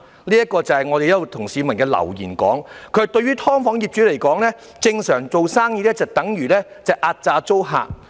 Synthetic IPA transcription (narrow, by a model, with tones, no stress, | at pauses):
liː˥ɐ˥kɔː˧t͡sɐ˨hɐ˨jŋɔː˨˧ɾe˨jɐ˥lːo˨˩t̪ʰʊ˨˩ŋsiː˨˧mɐ˨˩nkɛː˧lɐ̰˨˩wjiː˨˩nkɔ̰ː˨˥ŋkʰɵ˨˧˥t̪ɵ˧ɥyː˥t̪ʰɔː˥ŋfɔː˨˥ŋjiː˨p̚t͡ʃyː˨˥le˨˩jkɔː˨˥ŋlɛː˥ | t͡sɪ˧ŋsœː˨˩ŋt͡so˨wsaː˥ŋjiː˧lɛː˥t͡sɐ˨˩wt̪ɐ˨˥ŋjyː˨˩lɛː˥ | t͡sɐ˨jʔaː˧t̚t͡saː˧t͡so˥wɦa̰ː˧t̚